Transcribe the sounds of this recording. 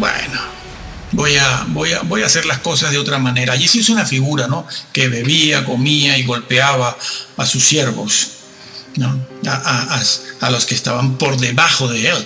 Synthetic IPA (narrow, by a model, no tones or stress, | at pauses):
bwḛno | bo̞jabo̞ja̰bo̞jaːse̞ɾlasko̞sazðeo̞t̪ɾamane̞ɾaːʝisisunafiɣuɾano̞ke̞βe̞βiako̞miaiɣo̞lpeaβaːsusːje̞ɾβo̞̰s | noaʔaasalo̞skest̪a̰βampo̞ɾðe̞βaxo̞ðeel